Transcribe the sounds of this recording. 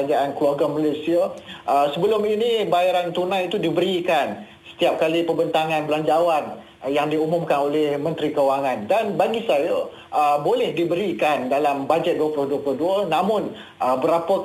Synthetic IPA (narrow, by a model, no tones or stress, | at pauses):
ad͡ʒaankluaɡamalesiaəsəbəlʊminibajaɾant̪unãjit̪udibəɾikan | sə̥t̪iap̚kalipəbənt̪aŋãnbəlaɲd͡ʒawan | jaŋdiumʊmkanolɛhmə̃nt̪ɾikəwaŋãndanbaɡisajə | ʔəbolɛhdibəɾikandalambad͡ʒɛt̪̚duəplʊhduəplʊhduənãmʊ̃n | əbəɾapə